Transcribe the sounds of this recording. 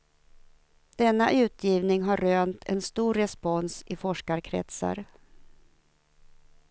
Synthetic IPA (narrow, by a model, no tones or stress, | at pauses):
d̪̥ɛnːaʔʉ̟ːt̪ʰjiːvnɪŋɦaɾːøːnt̪ʰɛnst̪uːɾɾɛspɔnsɪfɔʂkaɾkʰɾɛ̰t̪sa̰ɾ